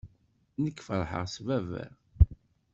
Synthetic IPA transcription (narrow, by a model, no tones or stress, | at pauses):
nəkːfəɾˤħə̰ʁsvævæ̰ɾ